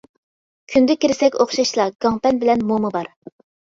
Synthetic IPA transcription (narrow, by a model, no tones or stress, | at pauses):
kʲʰynd̪ɪkʲiɾɪsɛkʲoχʃɑʃlˠɑɡ̥ɑŋpɛnbɪlɛnmomɨbɑɾ